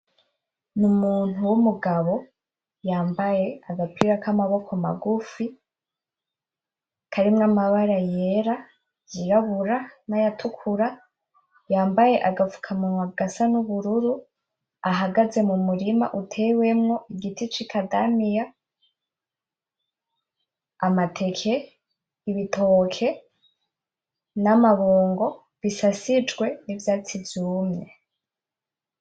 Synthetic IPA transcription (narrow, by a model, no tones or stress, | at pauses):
numuːn̥uwumuɡaβo̞ | jaːmbaje̞aɡapʰiɾakamaβo̞kʰoma̰ɡufi | kʰaɾimŋamaβaɾajeɾa | jiɾaβuɾanajatʰukʰuɾa | jaːmbaje̞ʔaɡavu̥kʰamumaɡasanuβuɾuɾu | aɦaɡaze̞mumuɾima̰ʔutʰe̞we̞mŋo̞ʔiɡitʰit͡ʃikʰadamija | amatʰe̞kʰe̞ | iβitʰokʰe̞ | namaβoːŋɡo̞ | βisasid͡ʒɡwe̞nivjaːt͡sivjuːmŋe